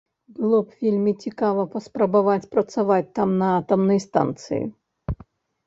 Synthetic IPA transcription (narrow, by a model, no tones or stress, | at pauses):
bɨlˠɔpfʲilʲmʲɪt͡sʲɪkavəpɐspɾɐbɐvatʲpɾɐt̪sɨvatʲt̪amnɐat̪ɐmnɨjst̪a̰nt̪sɨ̰jɪ̰